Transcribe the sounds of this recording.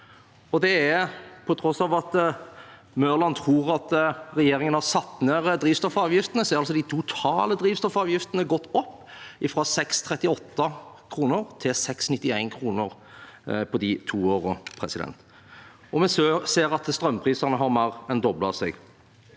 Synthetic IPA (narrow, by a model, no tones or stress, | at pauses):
ɔd̪ɛæpʰɔt̪ʰɾɔsɑːʋɑt̪ | møːʁlɑnt̪ʰɾuːʁɑt̪ɾɛjeːɾɪŋənhɑʁsɑt̪ːneːɾəd̪ɾiːʋst̪ɔfɑːʋjɪft̪ənəsɛːɾɑlsɔd̪ɪt̪ʰut̪ʰɑːləd̪ɾiːʋst̪ɔfɑːʋjɪft̪ənəɡɔt̪ːɔpːɪfɾɑːsɛkst̪ʰɾɛt̪ɪɔt̪ːə | kʰɾuːnəɾt̪ʰɪlsɛksnɪt̪ːɪæɪnkʰɾuːnəɾ | pʰɔd̪ɪt̪ʰuːoːʁəpʰɾɛsɪd̪ɛ̰nt̪ | ɔmɛnsseːɾɑt̪st̪ɾœmːpʰʁiːsɑʁnəɦɑɾmɑɾɛnd̪ɔbləɑ̰sɛ̰ɡ